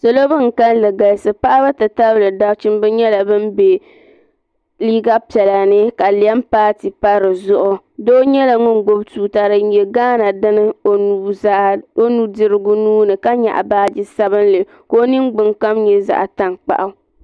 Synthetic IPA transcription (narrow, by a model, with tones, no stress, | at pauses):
so˨lo˦bɨ˦ŋ̩˨ka˦nlɨ˨ɡa˨jsɨ˨pa˦ʔa˦ba˦tɨ˨ta˦blɨ˨da˦t͡ʃi˦m˦bɨ˦ɲɛ˦la˨bɨ˦m˦be˨ | liː˦ɡa˦pi˨ɛ˨la˨nɨ˦ka˨li˨ɛ˦mpaː˦ti˨pa˦ɾɨ˨zʊ˦ʔʊ˦˨ | doː˦ɲɛ˦la˨ŋʊ˦nɡ͡bo˦btuː˨ta˨ɾɨ˨ɲɛ˨ɡaː˦na˨dɨ˦nɨ˦˨˦ | o˦nu˨dɨ˨ɾɨ˦ɡʊ˦nuː˦nɨ˨ka˦ɲa̰˨ʔa̰˨baː˦d͡ʒi˦sa˦bɨ˦nlɨ˨ | ko˦nɨ˦ŋɡ͡bɨ˨ŋka˦mɲɛ˨za̰˨ʔa˨ta˦ŋk͡pa̰˨ʔa˦